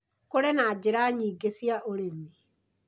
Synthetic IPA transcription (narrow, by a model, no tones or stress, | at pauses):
koɾenaːd͡ʑeɾaːɲiːɡesijaʔoɾemi